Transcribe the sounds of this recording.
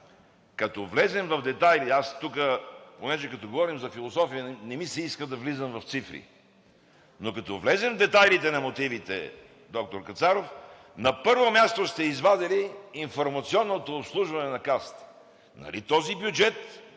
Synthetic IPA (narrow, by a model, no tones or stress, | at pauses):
kɐt̪ɔvlɛzɛmvɐvd̪ɛt̪ajliast̪ukəponɛʒɛkɐt̪ɔɡovɔɾimzɐfilˠosɔfiənɛmisɛiskəd̪ɐvlizəmvɐft̪sifɾḭ | nokɐt̪ɔvlɛzɛmvd̪ɛt̪ajlit̪ɛnɐmot̪ivit̪ɛ̰ | d̪ɔk̚t̪oɾkɐt̪saɾof | nɐpɤɾvomʲjast̪ost̪ɛizvad̪ɛliːnfoɾmɐt̪siɔnːot̪oːpslˠuʒvɐnɛnɐkast̪ | nɐ̰lḭt̪ɔzibjud͡ʒɛt̪